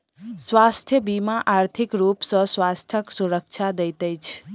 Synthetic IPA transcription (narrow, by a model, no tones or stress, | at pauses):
swast̪ʰjəbimaʔaɾt̪ʰikɾupsʌ̃swast̪ʰjəksuɾək̚t͡ʃʰad̪ejt̪əjt͡ʃʰ